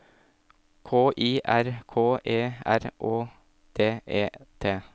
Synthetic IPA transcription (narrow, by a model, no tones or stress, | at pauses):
kʰoːʔiːʔæɾkʰoːʔeːæɾʔoː | d̪̥eːʔeːt̪ʰeː